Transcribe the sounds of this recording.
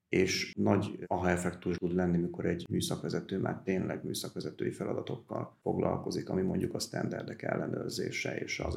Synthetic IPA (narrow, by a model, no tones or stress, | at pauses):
eːʃnɒɟɒɦɒɛfɛkt̪uʃt̪ud̪lɛnːimiko̞ɾɛɟmyːsɒkʋɛzɛt̪øːma̰ːrt̪eːnlʔɛɡmyːsɒkʋɛzɛt̪øːjifɛlɒd̪ɒt̪o̞kːɒlfo̞ɡlɒ̰lko̞zikɒmimo̞ɲɟukɒst̪ɛnd̪ɛrd̪ɛkɛ̰lːɛnøːrzeːʃɛeːʃɒ